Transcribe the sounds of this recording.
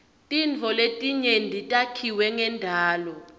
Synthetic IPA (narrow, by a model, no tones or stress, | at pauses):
tʼint͡fɔletʼiɲɛndʱitʼakʰiwɛŋɛndʱaːlɔ